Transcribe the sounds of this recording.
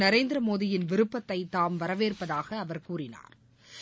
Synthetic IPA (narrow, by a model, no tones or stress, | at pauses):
nɐɾeːnd̪ɾɐmoːðɪjɪnʋɪɾɯpːɐt̪ːɐɪt̪ːaːmʋɐɾɐʋeːrpɐðaːɣɐːʋɐɾkuːrɪna̰ːɾ